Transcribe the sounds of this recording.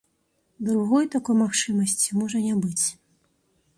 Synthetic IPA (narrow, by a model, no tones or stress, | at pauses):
d̪ɾuɣɔjt̪akɔjmaxt͡ʂɨmɐsʲt͡sʲimɔʐɐnʲabɨt͡sʲ